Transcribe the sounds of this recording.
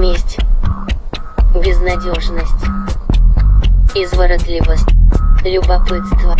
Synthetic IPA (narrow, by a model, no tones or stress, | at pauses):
mʲesʲtʲ | bʲɪznɐdʲoʐnəsʲtʲ | izvəɾɐd̪lʲivəsʲlʲʊbɐpɨt̪st̪və